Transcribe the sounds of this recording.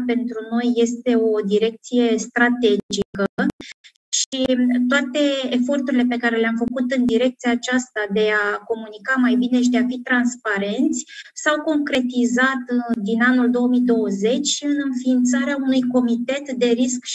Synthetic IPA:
pe̞nt̪ɾuno̞jːe̞st̪e̞o̞d̪iɾe̞k̚t̪sije̞st̪ɾat̪e̞d͡ʒikə | ʃit̪oat̪e̞efo̞rt̪uɾile̞pe̞kaɾe̞leamfəkut̪ɨnd̪iɾe̞k̚t̪siaːt͡ʃast̪ad̪e̞ako̞munikamajbine̞ʃ̬id̪e̞afit̪ɾanspaɾe̞nt̪sʲsawko̞ŋkɾe̞t̪izat̪d̪inanuld̪o̞wəmid̪o̞wəze̞t͡ʃʲʃiɨnɨnfiːnt̪saɾeaunujko̞mit̪e̞t̪d̪e̞ɾisk

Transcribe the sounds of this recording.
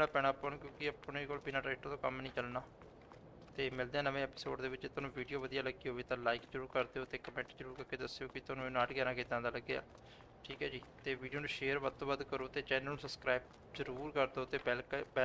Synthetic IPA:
ɽ̃aːpɛːɽ̃aːpːənːkjõːkɪəpɳeːkoːlbiːnaːʈɛːʈːt̪oːkə̰mnəĩːt͡ʃəlnaː | t̪eːmɪld̪eaːnəʋẽːɛːpɪso̰ːɖd̪eːʋɪt͡ʃet̪ʊnũːʋiːɖijoːʋəd̪ijaːləɡiːɦoːʋeːt̪ãːlaːɪkd͡ʒəɾuːɾkəɾd̪eːɦoːt̪eːkəmɛ̃ːɳʈzəɾuːɾkəɾkeːd̪əsjoːkɪt̪ʊnũːñːaʈɡɛːnaːket̪ːãːnd̪aːləɡːeːa̰ː | ʈʰiːkɛːd͡ʒiːt̪eːʋiːɖioːnũːʃeːəɾʋət̪ːõːʋəd̪kəɾoːt̪eːt͡ʃɛːnəlnũːsəskɾaːib | zəɾuːɾkəɾd̪oːt̪eːbɛlkbɛ

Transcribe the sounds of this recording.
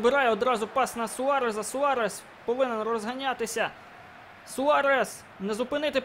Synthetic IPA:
bɪɾɑjɛɔd̪ɾɑzʊpɑsnɐsʊɑɾɛzɐsʊɑɾɛs | pɔʋɪnɛnrɔzɦɐnʲɑt̪ɪsʲɐ | sʊɑɾɛs | nɛzʊpɪnɪt̪ɪ

